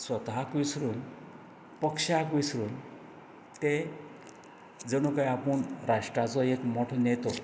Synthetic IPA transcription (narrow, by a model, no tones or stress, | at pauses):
swət̪ɦakʋisɾuːn | pəkʂakʋisɾun | t̪e | d͡zəɽ̃ukajapuɳɾaʂʈɾat͡sɔekmɔʈʰɔnet̪ɔ